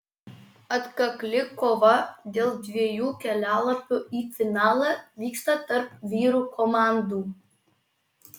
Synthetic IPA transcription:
ɐt̪kɐklʲɪkoʋɐd̪ʲeːlˠd̪ʲʋʲiɛjuːkʲɛlʲæːlˠɐpʲuːʔiːfʲɪnɑːlˠɐʋʲiːkst̪ɐt̪ɐɾpʋʲiːɾukʰɔmɑːnd̪uː

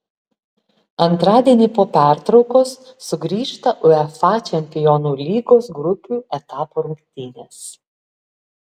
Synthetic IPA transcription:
ɐnt̪ɾɑːd̪ʲiɛnʲiːpoːpʲæˑɾt̪ɾɒʊkoːsːʊɡɾʲiːʃt̪ɐʔʊɛfɑːt͡ʃʲɛmʲpʲɪjɔːnuːlʲiːɡoːsɡɾʊpʲuːɛt̪ɑːpoɾʊŋkʲt̪ʲɪnʲeːs

